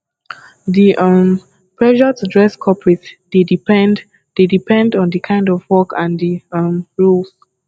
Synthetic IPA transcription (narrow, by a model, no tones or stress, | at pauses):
diʔʌm | pʰɹɛʒətudɹɛskʰɔpɹitdedip | d̥edipʰɛ̃ndɔ̃ndəkʰãɪ̃ndɔvwɔkʰãndimɹuls